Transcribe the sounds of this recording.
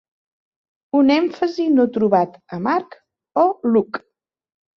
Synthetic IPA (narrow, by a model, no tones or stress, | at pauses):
unɛɱfəzinot̪ɾuβat̪əmaɾk | ɔluk